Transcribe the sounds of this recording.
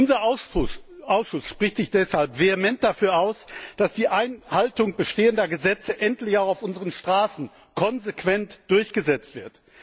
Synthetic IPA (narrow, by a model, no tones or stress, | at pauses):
ʔʊnzɐ | ʔaʊsʃʊsʃpʁ̥ɪçtz̥ɪçd̥ɛshalpv̥eemɛnt̚d̥afyːɐaʊsd̥asd̥iːʔaɪnhaltʊŋb̥əʃteːəndɐɡəzɛt͡səʔɛntlɪçaʊxaʊfʔʊnzəʁənʃtʁ̥aːsn̩ | kʰɔnzekv̥ɛntd̥ʊɐçɡ̥əzɛt͡stv̥ɪɐt